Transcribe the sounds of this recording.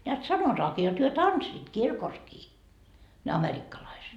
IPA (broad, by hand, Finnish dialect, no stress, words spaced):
neæt sɑnotɑːkiː jot hyø tɑnsːiːt kirkoskiː ne ɑmerikːɑlɑiset